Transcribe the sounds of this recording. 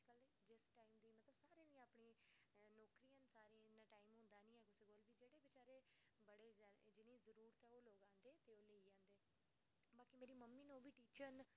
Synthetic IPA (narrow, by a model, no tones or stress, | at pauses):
kəleːd͡ʒɪsʈaːimd̪iːmət̪ləbsaːɾeːd̪ijãaːpɳĩːnɔːkɾijãːnsaːɾẽnãːʈaːiːmɦʊ̃nd̪aːnĩːɛːkʊseːɡoːlʋiːd͡ʒeːɽeːbɪt͡ʃaːɾeː | bəɽeːzd͡ʒɪniːzəɾuːɾət̪ɛːoːloːɡãːnd̪eːt̪eːoːleːiːd͡ʒãːnd̪eː | baːkimeːɾiːməmːiːnõːʋiːʈiːt͡ʃəɾn